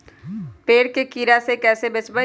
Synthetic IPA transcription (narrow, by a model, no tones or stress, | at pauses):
peːɽkekiːɾasekɛːsebɪsbə